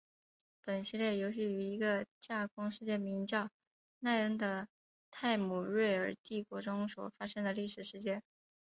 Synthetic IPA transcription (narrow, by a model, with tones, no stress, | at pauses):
pə˨˩nɕi˥˧ljɛ˥˩jo˧˥ʊɕ̬i˥˩y˧˥i˧˥ɡə˧t͡ɕja˥˩kʊ˥ŋʂɻ̩˥˧t͡ɕjɛ˥˩mi˧˥ŋt͡ɕjɑ˥˩ʊ | na˥˧ɪə˥ŋd̪ə˧ | t̪ʰa˥˩ɪmu˨˩ɻwe˥˩ɪə˞˨˩t̪i˥˩kwɔ˧˥ʈ͡ʂʊ˥ŋswɔ̰˨˩fa˥ʂɤ˥ŋd̪ə˨li˥˩ʂɻ̩˨˩ʂɻ̩˧˥t͡ɕjɛ˥n